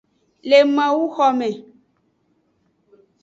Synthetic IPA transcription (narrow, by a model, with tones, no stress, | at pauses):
le˨mã˨wu˦xɔ˨mɛ̃˨